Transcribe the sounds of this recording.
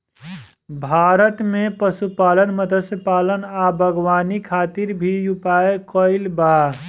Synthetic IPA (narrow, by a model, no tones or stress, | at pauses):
bʱaːɾət̪mẽpəsupaːlənməd̪ʱəsəpaːlənabʱəɡwaːnikʰaːt̪iɾbʱijupaːekɔɪlbaː